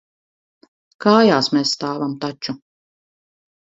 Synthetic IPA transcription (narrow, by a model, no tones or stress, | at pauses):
kaːjaːsmɛːssːt̪aːvamt̪at͡ʃu